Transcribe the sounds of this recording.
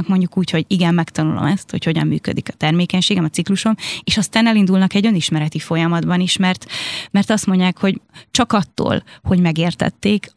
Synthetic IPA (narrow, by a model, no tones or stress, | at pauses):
kmo̞ɲɟukuːcho̞ɟiɡɛmːɛkt̪ɒnulo̞̰mɛst̪hocho̞ɟɒ̰mːy̰ːkø̰d̪ikɒ̥t̪ɛrmeːkɛɲʃeːɡɛmɒsikluʃo̞meːʃɒst̪aːnɛlind̪ulnɒkɛɟø̞niʃmɛɾɛt̪ifo̞jɒmɒd̪bɒniʃmɛrt̪mɛrt̪ɒst̪mo̞ɲɟaːkho̞ɟt͡ʃɒkɒt̪ːo̰ːlho̞ɟmɛɡeːrt̪ɛ̰t̪ːeːk